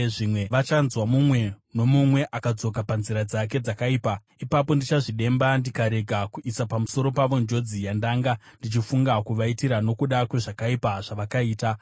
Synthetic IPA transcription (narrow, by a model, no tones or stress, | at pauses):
ʐimwe̞ʋat͡ʃanzwamumwe̞no̞mumwe̞ʔakad͡zo̞kapanziɾad͡zak̬e̞d͡zakaiːpa | ipapo̞ndit͡ʃaʐiɗe̞mbandikaɾe̞ɡʱakuʔisapamuso̞ɾo̞paʋo̞nd͡ʒo̞d͡zijandaːŋɡa | ndit͡ʃifuŋɡakuʋaitiɾano̞kuɗakwe̞ʐakaipaʐ̥aʋakaiːta